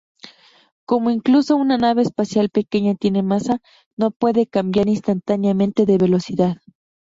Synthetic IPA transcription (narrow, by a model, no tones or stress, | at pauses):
komoiŋklusounanaβeːspasjalpekeɲat̪jenemasa | nopwe̞ðekambjaɾinst̪ant̪anjament̪e̞ðe̞βelosiðað